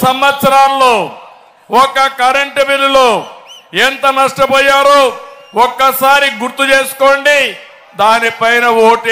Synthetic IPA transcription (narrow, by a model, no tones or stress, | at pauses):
sɐmʋɐt̪sɐɾaːnloː | ɔkɐkɐɾɐɳʈɐbiluloːent̪ɐnɐʂʈɐpɔːjaːɾoː | ɔkːɐsaːɾiɡuɾt̪ːut͡ʃeːsu̥koːɳɖi | d̪aːnipɐjnɐwoːʈe